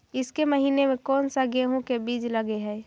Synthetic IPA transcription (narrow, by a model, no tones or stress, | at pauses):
ɪskeməɦiːnemẽkɔːnsaɡeːɦũkebiːd͡ʒləɡeɦɛː